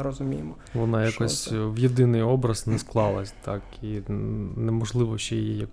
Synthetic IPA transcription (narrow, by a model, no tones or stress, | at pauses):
ɾɔzʊmʲijɪmɔ | ʋɔnɑjɐkɔsʲʋjɪd̪ɪnɪjɔbɾɐznɛsklˠɑlˠɐsʲt̪ɑkinɛmɔʒlˠɪʋɔʃt͡ʃɛjijijɐk